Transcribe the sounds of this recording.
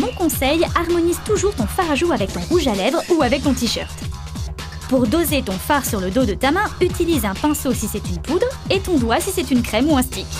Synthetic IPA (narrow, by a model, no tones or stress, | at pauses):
mɔ̃kɔ̃sɛjaʁmɔnizt̪uʒuʁt̪ɔ̃faʁaʒuavɛk̚t̪ɔ̃ʁuʒalɛvʁuavɛk̚t̪ɔ̃t̪̬iʃœ̰ʁt̪ | puʁd̪ozet̪ɔ̃faʁsyʁləd̪od̪ət̪amɛ̃yt̪ilizɛ̃pɛ̃sosisɛt̪ynpud̪ʁet̪ɔ̃d̪wasisɛt̪ynkχɛmuɛ̃st̪ikʲ